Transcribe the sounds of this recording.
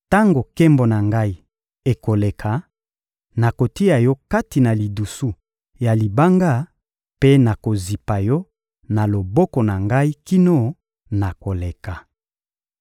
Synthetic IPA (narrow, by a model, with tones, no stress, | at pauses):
ta˦ŋɡo˨ke˦mbo˨na˨ŋɡa˦i˦ | e˨ko˨le˨kʰa˨ | na˨ko˨ti˦a˨jɔ˦ka˦ti˨na˨li˨du˨su˦ | ja˨li˨ba˦ŋɡa˦˨ | pe˦na˨ko˨zi˨pa˨jɔ˦ | na˨lo˨bɔ˦kɔ˨na˨ŋɡa˦i˦ki˦no˦ | na˨ko˨le˨ka˨